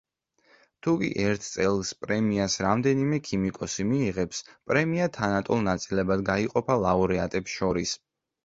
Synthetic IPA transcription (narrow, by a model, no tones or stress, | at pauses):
t̪ʰukʼḭʔɛɾt̪ʰt̪sʼɛlˠspʼɾɛmiasɾamd̪ɛnimɛkʰimikʼɔsimiːʁɛpspʼɾɛmiat̪ʰanat̪ʼulˠnat̪sʼilɛbad̪ɡaiqʼɔpʰalˠaɔɾɛat̪ʼɛpsʃɔɾis